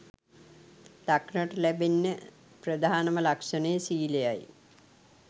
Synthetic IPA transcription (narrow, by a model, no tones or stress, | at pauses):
t̪akɳəʈəlæbenːə | prəd̪ʱaːnɐməlakʂɐnejsiːlejaj